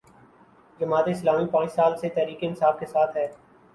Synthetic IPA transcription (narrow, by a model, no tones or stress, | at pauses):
d͡ʒɐmaːt̪eɪslaːmipãːt͡ʃsaːlset̪ɛːɾiːkeɪnsaːfkesaːt̪ʰɦɛː